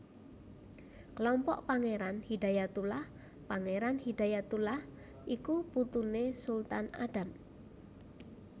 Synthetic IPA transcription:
klɔmpɔ̰ʔpaŋeɾanhidajat̪ulah | paŋeɾanhid̪̥a̤jat̪ulah | ʔikuput̪unesult̪ana̰ɖ̥a̤m

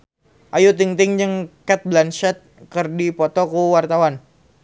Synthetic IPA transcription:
ʔajut̪̬iŋt̪ɪŋd͡ʒəŋkɛt̪̚blant͡ʃɛt̪̚kərdipɔt̪ɔkuwart̪awan

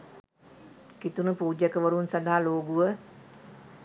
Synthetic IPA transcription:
kit̪unupuːd͡ʒjəkəʋəɾunsɐd̪aɦaloːɡuʋə

